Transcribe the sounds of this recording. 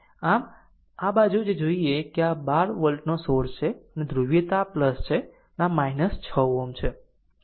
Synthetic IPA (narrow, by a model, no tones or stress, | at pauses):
am | abad͡ʒud͡ʒed͡ʒoiekeabaɾʋəlʈnosoɾt͡ʃʰeəned̪ɾuʋjət̪apləst͡ʃʰe | namainəst͡ʃʰəomt͡ʃʰe